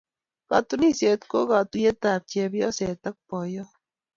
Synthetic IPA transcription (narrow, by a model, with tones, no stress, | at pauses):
ka̰˨t̪u˦ni˦se˨t̪ko˦ka˨t̪u˦je˦t̪a˨p̚t͡ʃe˧bjɔ˦se˨t̪a˦k̚pɔ˨jɔ˦